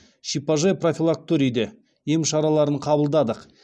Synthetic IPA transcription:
ʃipaʒepro̞fʲilˠak̚t̪uɾʲijd̪e | jemʃɑɾɑlˠɑɾəɴqʰɑbəlˠd̪ɑd̪əq

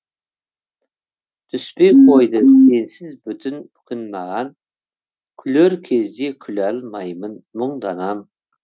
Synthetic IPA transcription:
t̪ʰyspejqʰojd̪ɨnensɪzbyt̪ʰyn | kʲʰɪnmɑʁɑn | kʲʰyløɾkʲʰezd̪ekʲʰylælmɑjmənmʊɴd̪ɑnɑm

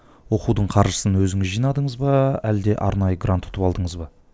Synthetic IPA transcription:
wo̞qud̪əɴqʰɑɾʒəsənwɵzɪŋɪzʒijnɑd̪əɴəzbɑæld̪e̞ʔɑ̰ɾnɑjəɡrant̪ːʰʊt̪əpɑlˠd̪əɴəzbɑ

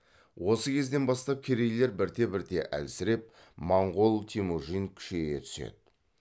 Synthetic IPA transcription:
wo̞səkʲʰe̞zd̪e̞nbɑst̪ɑp̚kʲʰeɾejle̞ɾbɪɾt̪e̞bɪɾt̪e̞ʔæ̰lsɪɾe̞p̚ | mɑɴʁolˠt̪ʰimoʒinkʲʰʏ̥ʃeɡʲe̞t̪ʰʏ̥sḛd̪ɪ

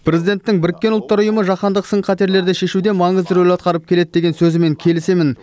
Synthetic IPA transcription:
pʰɾʲe̞zijd̪e̞nt̪ːɪŋbɪɾɪkʲːeʊlˠt̪ːɑɾʊjəməʒɑχɑnd̪əqsəɴqʰɑt̪e̞ɾle̞ɾd̪eʃe̞ʃud̪e̞mɑɴəzd̪ɪɾolʲɑt̪̚qɑɾəp̚kʲʰe̞le̞d̪̚d̪e̞ɡʲe̞nsɵzɪme̞ŋkʲʰe̞lɪse̞mɪn

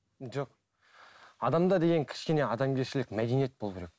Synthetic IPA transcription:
ʒo̞q | ɑd̪ɑmd̪ɑd̪e̞ɡʲe̞ŋkʲʰɪ̥ʃkʲe̞ne̞ɑd̪ɑmɡʲe̞ɾʃɪlɪkʲmæd̪e̞nije̞t̪̚bolˠubɾek̚ʲ

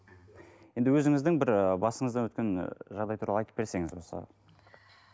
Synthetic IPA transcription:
jend̪ɪwɵzɪŋɪzd̪ɪŋbɪɾbɑsəɴəzd̪ɑnwɵt̪kʲe̞nʒɑʁd̪ɑjt̪ʰuɾɑlˠɑjt̪ə̥p̚ːbeɾse̞ŋɪzwo̞sə̰

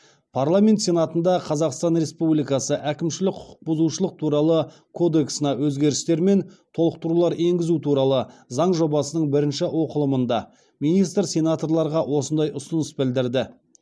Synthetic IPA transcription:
pʰarlˠamʲe̞nt̪sʲe̞nat̪ənd̪ɑqʰɑzɑqst̪ɑnɾe̞spublijkɑsəʔækʲɪmʃɪlɪk̚ʲqʰʊ̥qʰʊ̥q̚bʊzuʃəlˠəq̚t̪ʰuɾɑlˠə | kʰo̞d̪e̞ksənɑwɵzɡʲe̞ɾɪst̪e̞ɾme̞nt̪ʰo̞lˠəq̚t̪əɾulˠɑɾe̞ŋɡʲɪzut̪ʰuɾɑlˠəzɑɴʒo̞bɑsənəɴbɪɾɪnʃɪwo̞qəlˠəmənd̪ɑ | mijnijst̪ɾsʲe̞nat̪o̞rlˠɑɾʁɑwo̞sənd̪ɑjʔʊsənəsbɪld̪ɪɾd̪ɪ

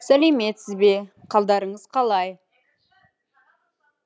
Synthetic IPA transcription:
sæle̞me̞t̪sɪzbe̞qʰɑlˠd̪ɑɾəɴəz̥qʰɑlˠɑj

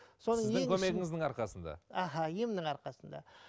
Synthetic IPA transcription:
so̞nəekʲʰɵmeɡʲɪŋɪzd̪ɪɴɑɾqɑsənd̪ɑ̰ɑɦɑjemnɪɴɑɾqɑsənd̪ɑ̰

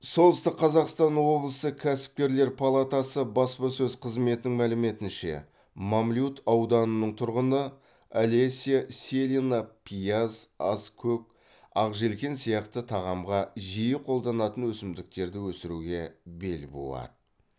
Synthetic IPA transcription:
so̞lˠəst̪əqʰːɑzɑqst̪ɑnwo̞blˠəsəkʲʰæsɪ̥p̚kʲe̞ɾle̞ɾpʰɑlˠat̪ɑsəbɑspɑsɵzqʰəzme̞t̪ɪnɪŋmælɪme̞t̪ɪnʃe̞̰ | mamlʲjut̪ʰɑwd̪ɑnənəɴt̪ʰʊɾʁənə | alesʲijasʲelinapʲʰijazɑskʲʰɵk̚ | ɑʁʒe̞lkʲe̞nsijɑqt̪ət̪ʰɑʁɑmʁɑʒijəqʰo̞lˠd̪ɑnɑt̪ənwɵsɪmd̪ɪk̚t̪e̞ɾd̪ɪwɵsɪɾuɡʲe̞be̞̰lbo̰lˠɑ̰t̪ə

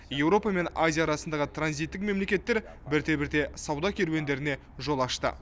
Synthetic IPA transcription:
je̞wɾo̞pɑme̞nazʲijaːɾɑsənd̪ɑʁət̪ʰranzit̪ːɪkme̞mle̞kʲe̞t̪ːe̞ɾ | bɪɾt̪e̞bɪɾt̪e̞sɑwd̪ɑkʲʰeɾwe̞nd̪e̞ɾɪne̞ | ʒo̞lˠɑʃt̪ə̰

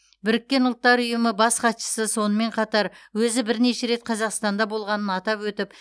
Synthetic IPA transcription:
bɪɾɪkʲːe̞nʊlˠt̪ːɑɾʊjəməbɑsqʰɑt̪ʃə̥səso̞nəme̞ɴqʰɑt̪ɑɾwɵzɪbɪɾne̞ʃe̞ɾe̞t̪̚qʰɑzɑqst̪ɑnd̪ɑbo̞lˠʁɑnənɑt̪ɑpwɵt̪ɪp

